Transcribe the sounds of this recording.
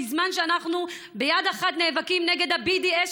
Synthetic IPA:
izmanʃeanaχnu | bejad̪eχat̪neːvakimneɡe̞d̪habidie

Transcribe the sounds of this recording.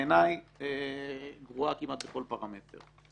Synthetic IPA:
enajeɡʁuakimat̪̚bekolpaʁamet̪ḛʁ

